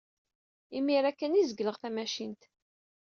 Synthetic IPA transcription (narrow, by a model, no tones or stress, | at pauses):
imiɾækːənizəɡləʁθæmæʃint̪